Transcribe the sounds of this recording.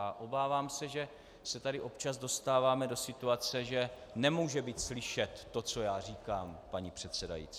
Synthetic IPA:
aʔo̞baːvaːmsɛʒɛ | sɛt̪adɪʔo̞pt͡ʃazdo̞st̪aːvaːmɛdosɪt̪uat͡sɛʒɛ | nɛmuːʒɛbiːt̪slɪʃɛt̪ːo̞t͡so̞jaːr̝iːkaːmpaɲipr̝̥ɛt̪sɛda̰jḭːt͡si

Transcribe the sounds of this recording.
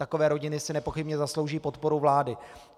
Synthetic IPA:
t̪akovɛːɾo̞ɟɪnɪsɪnɛpo̞xɪbɲɛzaslowʒiːpo̞t̪po̞ɾuvlaːdɪ

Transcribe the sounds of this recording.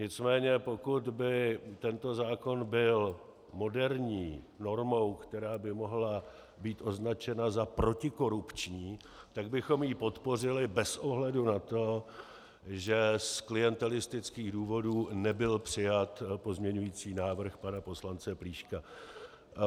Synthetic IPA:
ɲɪt͡smɛːɲɛpo̞kut̪bɪt̪ɛnt̪o̞zaːko̞nbɪl | mo̞dɛɾɲiː | no̞ɾmo̞wkt̪ɛɾaːbɪmo̞ɦla | biːt̪ʔo̞znat͡ʃɛnazapɾo̞cɪko̞ɾupt͡ʃɲiː | t̪aɡ̚bɪxo̞mjiːpo̞t̪po̞r̝ɪlɪbɛsʔo̞ɦlɛdunat̪o̞ | ʒɛsklɪjɛnt̪ɛlɪst̪ɪt͡skiːɣduːvo̞duːnɛbɪlpr̥ɪjat̪po̞zmɲɛɲujiːt͡siːnaːvr̩xpanapo̞slant͡sɛpɾiːʃka

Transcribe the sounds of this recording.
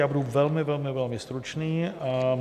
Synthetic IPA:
jaːbuduvɛlmɪvɛlmɪvɛlmɪst̪ɾut͡ʃniː

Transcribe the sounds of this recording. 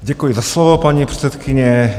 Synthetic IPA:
ɟakujizaslɔʋɔpaɲipɾɛt̪sɛt̪kʰiɲɛ

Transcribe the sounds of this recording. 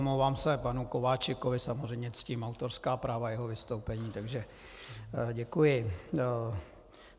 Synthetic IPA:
mlowvaːmsɛpanuko̞vaːt͡ʃɪkovɪsamozrɛjmɲɛt͡sciːmawt̪o̞ɾskaːpɾaːvajɛɦovɪst̪owpɛɲiːt̪aɡʒɛ | ɟɛkujɪ

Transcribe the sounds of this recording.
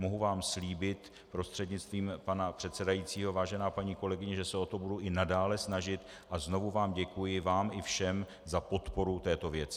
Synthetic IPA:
moɦuvaːmsliːbɪt̪ | pɾo̞st̪r̥ɛdɲɪt͡st̪viːmpanapr̝̥ɛt̪sɛdajiːt͡siːɦo̞vaːʒɛnaːpaɲiːko̞lɛɡɪɲɛʒɛsɛo̞t̪o̞buduʔɪnadaːlɛsnaʒɪt̪ | ʔazno̞vuvaːmɟɛkujɪvaːmɪfʃɛm | zapo̞t̪po̞ɾut̪ɛːt̪o̞vjɛt͡sɪ

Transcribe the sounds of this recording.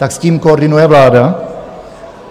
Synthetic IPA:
t̪aksciːmkoːɾdɪnujɛvlaːda

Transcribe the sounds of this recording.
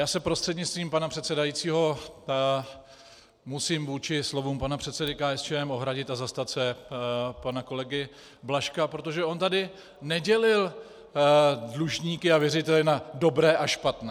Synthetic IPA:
jaːsɛpɾost̪r̥ɛd̪ɲɪt͡st̪viːmpanapr̥ɛt̪sɛdajitt͡siːɦo̞ | musiːmvuːt͡ʃɪslo̞vuːmpanapr̝̥ɛt̪sɛdɪkaːɛst͡ʃɛːɛmʔo̞ɦɾaɟɪt̪azast̪at̪sɛ | panako̞lɛɡɪ | blaʃkapɾo̞t̪o̞ʒɛʔo̞nt̪adɪ | nɛɟɛlɪl | dluʒɲiːkɪavjɛrɪt̪ɛlɪnado̞bɾɛːʔaʃpat̪nɛː

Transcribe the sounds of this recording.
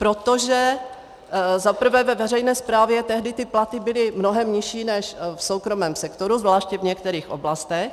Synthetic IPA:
pɾot̪oʒɛ | zapr̩vɛːvɛvɛrɛjnɛːspɾaːvjɛt̪ɛɦdɪt̪ɪplat̪ɪbɪlɪmnoɦɛmɲɪʃiːnɛʃfsowkɾo̞mɛːmsɛkt̪o̞ɾuzvlaːʃcɛvɲɛkt̪ɛɾiːxʔo̰blast̪ɛx

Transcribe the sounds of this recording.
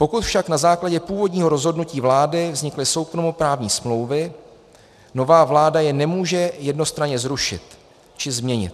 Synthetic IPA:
po̞kut̪fʃaknazaːklaɟɛpuːvo̞dɲiːɦoɾo̞zɦo̞dnuciːvlaːdɪvzɲɪklɪso̞wkɾomupɾaːvɲiːsmlo̞wvɪ | no̞vaːvlaːdajɛnɛmuːʒɛjɛdno̞st̪ɾaɲɛzɾuʃɪ̰t̪ | t͡ʃɪzmɲɛɲɪ̰t̪

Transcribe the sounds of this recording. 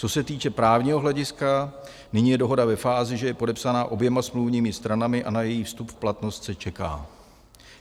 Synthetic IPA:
t͡so̞sɛt̪iːt͡ʃɛpɾaːvɲiːɦo̞ɦlɛɟɪska | nɪɲiːjɛdo̞ɦo̞davɛfaːzɪʒɛjɛpo̞dɛpsanaːʔo̞bjɛmasmluvɲiːmɪst̪ɾanamɪʔa̰najɛjiːfst̪upplat̪no̞st̪sɛt͡ʃɛka̰ː

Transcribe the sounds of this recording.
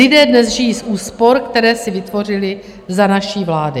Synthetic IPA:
ɪdɛːdnɛzʒɪjiːsʔuːspo̞ɾkt̪ɛɾɛːsɪvɪt̪vo̞r̝ɪlɪ | zanaʃiːvlaːdɪ

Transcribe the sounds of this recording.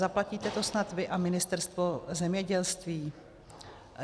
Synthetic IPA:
aplaciːt̪ɛt̪o̞snat̪vɪʔamɪnɪst̪ɛɾst̪vozɛmɲɛɟɛlst̪viː

